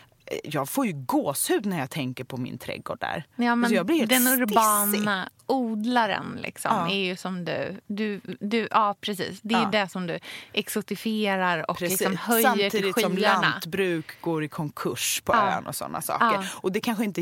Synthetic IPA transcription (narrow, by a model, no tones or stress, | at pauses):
jɑːɡfoːɾjɵɡoːshʉ̟ːd̪næɾjɑːt̪ʰɛŋkəɾpʰɔmɪ̰nt̪ʰɾɛ̰ɡo̰ːɖæ̰ɾjɑːmɛnɔjɑːɡblɪɾhːld̪ɛnʊɾbɑːnaʔuːd̪laɾə̰nlɪ̰ksɔ̰mæɾjɵsɔmd̪ɵ̰d̪ɵd̪ɵʔɑːpʰɾɛsḭːsd̪ɛjd̪ɛsɔmd̪ɵʔɛksʊt̪ɪfeːɾaɾɔ̰kɾlɪksɔmhœjamːəɾʰiːd̪ɪɧisɔːmlanat̪bɾʉ̟ːkɡoːɾɪkʰɔŋkʰɵʂpʰɔø̰ːnɔ̰sɔ̰nːa̰sɑ̰ːkɑəɾɔd̪ɛkʰanɧəɪnt̪ə